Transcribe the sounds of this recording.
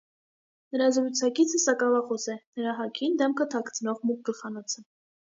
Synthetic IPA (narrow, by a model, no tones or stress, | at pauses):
nəɾɑzɾut͡sʰɑkit͡sʰəsɑkɑvɑχɔsɛnəɾɑɦɑkʰind̪ɛmkʰət̪ʰɑkʰt͡sʰnɔʁmuk̚ɡəlχɑnɔt͡sʰə